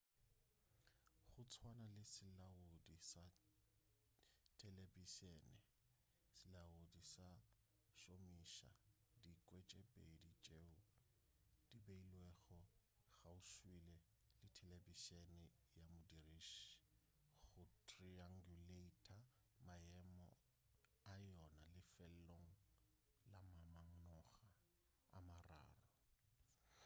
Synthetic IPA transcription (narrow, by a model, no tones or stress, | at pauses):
χʊt͡sʰwanalɪsɪlaʊdisa | tʰʼɛlebiʃɛnɛ | sɪlaʊdisa | ʃomiʃa̰dikʼwet͡ʃʼɛbʼedit͡ʃʼeʊ | d̥ibeilwɛɣɔ | ɣaʊʃwilɛ | lɪtʰɛlebiʃenɪ | jamʊdiriʃ | ɣʊtʰʼriaŋɡuletʰʼa | majɛmɔ̰ | ajɔnalɪfɛl̩loŋ̩ | lamamaŋ̩nɔɣa | a̰mara̰ːrɔ